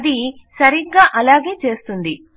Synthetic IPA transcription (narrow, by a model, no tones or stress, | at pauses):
d̪i | sɐɾiɡɡaːʔɐlaːɡe̞ːt͡ʃe̞ːst̪und̪i